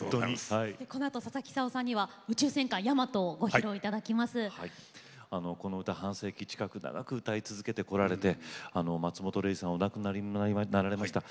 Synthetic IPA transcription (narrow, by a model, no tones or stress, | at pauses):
t̪oɲiaid̪eko̞no̞at̪o̞sasakʲi̥saosãɲ̟ːiβa | ɯ̟t͡ɕɨːsẽ̞ŋkãjamat̪o̞ɡo̞çɾo̞it̪ad̪akʲimasɨhai | ano̞ko̞no̞ɯ̟t̪ahãɰ̃se̞ːkʲit͡ɕi̥kakɯ̟na̰ɡa̰kɯ̟ɯt̪ait͡sɨzɨke̞t̪e̞ko̞ɾaɾe̞t̪e̞ano̞mat͡sɨmo̞t̪o̞ɾe̞isãonakɯ̟nainaɾaɾe̞maɕi̥t̪a